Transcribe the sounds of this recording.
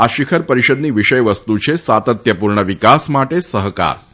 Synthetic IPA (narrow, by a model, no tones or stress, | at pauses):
aʃikʰəɾpəɾiʃəd̪niːʋiʃəjʋəst̪ut͡ʃʰesʋat̪ət̪jəpuɾɳəʋikasmaʈesəɦka̰ɾ